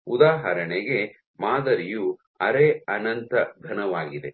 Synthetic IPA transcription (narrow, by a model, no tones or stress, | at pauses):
ud̪aːɦɐɾɐɳeɡe̞ | maːd̪ɐɾiju | ɐɾeːɐnɐnt̪ɐɡʱɐnɐʋaːɡid̪e̞